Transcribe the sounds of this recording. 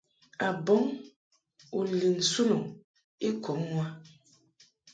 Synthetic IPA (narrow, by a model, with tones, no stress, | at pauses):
a˨bɔ˨˦ŋ | u˨li˨n̩˨su˦nɔ˨ŋ | i˦kʰɔ˨˦mːwa˦